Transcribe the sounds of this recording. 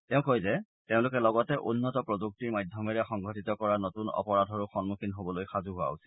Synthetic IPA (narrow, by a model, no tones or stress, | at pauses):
tɛʊ̃kojzɛ | tẽʊ̃lʊkɛlɔɡɔtɛʔunːɔtɔpɹoduk̚tiɹmajdʱjɔmɛɹɛxɔŋɡʱɔtitɔkɔɹanotunɔ̰pɔɹadʱɔɹuxɔnmukinɦobɔlojxazuɦʊwa̰usi̥